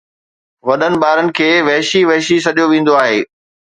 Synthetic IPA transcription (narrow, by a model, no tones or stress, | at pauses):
ʋɐɗənɪ̆ɓaːɾənɪ̆kʰeːʋɐɦʃiʋɐɦʃisɐɗijoʋẽːn̆d̪oaːɦeː